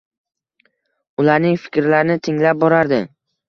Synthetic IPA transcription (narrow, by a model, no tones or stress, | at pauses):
ʊlaɾnɪŋfɪ̥kʲɾlaɾɪnɪt̪ʰɪŋlap̚bɒɾaɾd̪ɪ